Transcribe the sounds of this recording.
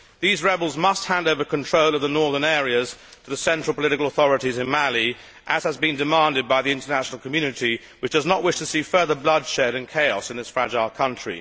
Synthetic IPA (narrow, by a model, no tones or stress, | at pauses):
ðizɹɛbl̩ˠzmʌst̚hæ̃ndoʊvə˞kʰɨ̃ntʰɹ̥oʊlˠʌvðənɔɹðə̃˞nɛɹiɨz̥tʰəðəsɛ̃nt͡ʃɹ̥əlˠpəlɪɾɨkl̩ˠəθɔɹɨɾizɨ̃nmælˠi | ʔɨz̥əzbɨ̃ndɨmɑ̃ndɨd̚baɪðiɪ̃ntənæʃn̩l̩ˠkʰəmjʉnɨɾi | wɨt͡ʃd̥ʌznəʔwɪʃtʰɨsifɜ˞ðə˞blʌd̥ʃɛɾɨ̃nkʰeɪɔ̰sɨ̃nðɨsfɹæd͡ʒaɪlˠkʰʌ̃nt͡ʃɹ̥ḭ